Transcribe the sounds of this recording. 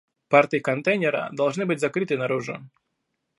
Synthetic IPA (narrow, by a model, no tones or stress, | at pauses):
part̪ɨjikɐnt̪ɛjnʲɛɾɐ̰d̪ɐlˠʐnɨbɨtʲzɐkɾɨt̪ɨnɐɾuʐʊ̰